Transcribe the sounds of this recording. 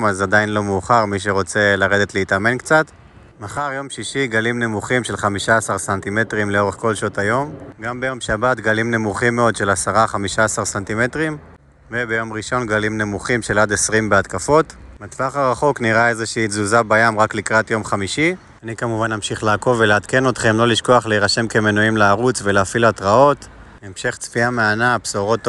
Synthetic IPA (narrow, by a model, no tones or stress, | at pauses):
mazad̪ajinlo̞meːχaʁmiʃ̬e̞ʁo̞t͡se̞laʁe̞d̪e̞t̪leit̪ame̞nkt͡sat̪ | maχaʁjo̞mʃiʃiɡalimne̞muχimʃe̞lχamiʃaasaʁsant̪ime̞t̪ʁimleo̞ʁeχko̞lʃot̪ajo̞mɡambejo̞mʃabat̪ɡalimne̞muχimːeo̞d̪ʃe̞lasaʁaχamiʃaːsaʁsant̪ime̞t̪ʁim | vebe̞jo̞mʁiʃo̞nɡalimne̞muχimʃe̞lad̪e̞sʁimbeat̪kafo̞tmatvaχaʁaχo̞kniʁae̞zeʃiːzuzabajamʁaklikʁat̪jo̞mχamiʃi | anikamuvanːamʃiχleako̞ve̞leat̪ke̞no̞t̪χe̞mlo̞liʃko̞aχleiʁaʃe̞mke̞me̞nuimleaʁut͡sve̞leafilat̪ʁao̞t | emʃe̞χt͡sfiameanapsoʁo̞t̪ː